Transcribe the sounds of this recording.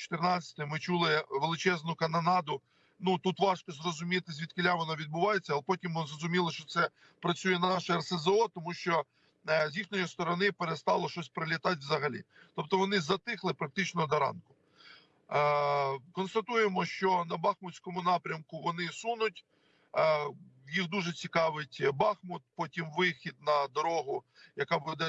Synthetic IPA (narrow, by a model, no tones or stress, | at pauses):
t͡ʃɔ̥t̪ɪrnɑt͡sʲɐ̥t̪ɪmɪt͡ʃulˠɪʋelˠɪt͡ʃɛznʊkɐnɐnɑd̪ʊ | nut̪ut̪ʋɑʃkɔzrɔzʊmʲit̪ɪsʲʋʲid̪̚kɪlʲaʋɔnɔʋʲid̪̚bʊʋɑjet͡sʲːɐlˠɛpɔtʲimʋɔnzrɔzʊmʲilˠɪʃt͡ʃɔt̪sɛ | pɾɐt͡sʲujɛnɐnɑʃɛɐrsezɐɔt̪ɔmuʃt͡ʃɔ | zʲjixnʲɔjist̪ɔɾɔnɪpeɾest̪ɑlˠɔʃɔsʲpɾelʲɪt̪ɑt̬ʲʋzɐɦɐlʲḭt̪ɔp̚t̪ɔʋɔnɪzɐt̪ɪxlˠɪpɾɐk̚t̪ɪt͡ʃnɔd̪ɐɾɑ̰nkʊ̥ | kɔnst̪ɐt̪ujemɔʃt͡ʃɔnɐbɑxmʊsʲkɔmʊnɑpɾʲɐmkʊʋɔnɪsunʊtʲ | jixd̪uʒɛt͡sʲikɑʋɪtʲbɑxmʊt̪̚pɔtʲimʋɪxʲid̪̚nɐd̪ɔɾɔɦʊ | jɐkɑbud̪ɛ